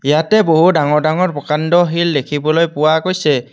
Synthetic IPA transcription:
ijatɛboɦudaŋɔɹdaŋɔɹbɔkandɔɦildekʰibɔlojpʊwakojsɛ

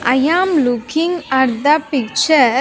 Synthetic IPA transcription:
ʔɐjaːmlʊkɪŋɐɾd̪apɪk̚t͡ʃɐ

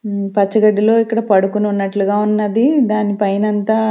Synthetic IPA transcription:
pɐt͡ʃːɐɡɐɖːilo̞ːikːɐɽɐpɐɽukununːɐʈluɡaːunːɐd̪id̪aːnipɐjnɐnt̪aː

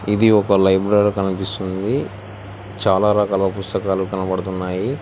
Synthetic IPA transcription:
id̪iɔkɐlɐjbɾaːɾkɐnipist̪und̪i | t͡ʃaːlaːɾɐːkaːlɐpust̪ɐkaːlukɐnɐpɐɽut̪unːaːji

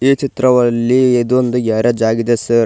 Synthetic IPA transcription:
iːt͡ʃit̪ɾɐʋɐlːied̪uond̪ujaːɾɐd͡ʒaːɡid̪esɐɾ

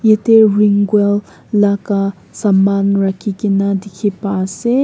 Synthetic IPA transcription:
jet̪eɹiŋɡwelː | aka | samːanɾakikinad̪ikʰepase

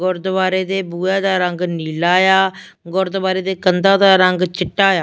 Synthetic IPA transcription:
ɡʊɾd̪baːɾeːd̪eːbuːɛːd̪aːɾəŋɡniːlaːjaː | ɡʊɾd̪baːɾeːd̪eːkənd̪ãːd̪aːɾəŋɡt͡ʃɪʈːaːjaː

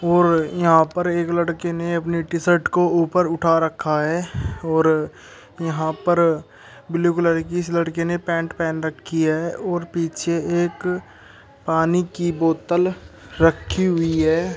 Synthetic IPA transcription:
ɔːɾjɐɦãpəɾeːkləɽkeneɐp̬niʈɪsəɾʈkouːpəɾʊʈʰaɾəkʰːaɦɛːɔːɾ | jɐɦãpəɾ | bɪluːkləɾkiɪsləɽkenepɛ̃ːɳʈpɛ̃ːnɾəkʰːiɛːɔːɾpiːt͡ʃʰeeːk | paːnikiboːt̪ːəl | ɾəkʰːiɦʊiɦɛː

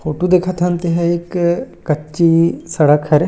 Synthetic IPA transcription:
fʰoːʈud̪eːkʰat̪ant̪eɦɛɪkː | ɐt͡ʃːʃisɐɽəkɦɛɾ

